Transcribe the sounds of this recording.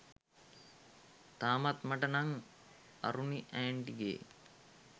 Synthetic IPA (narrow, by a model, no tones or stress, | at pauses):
t̪aːmat̪maʈənaŋ | ɐ̰ɾuniʔæːɳʈiɡḛː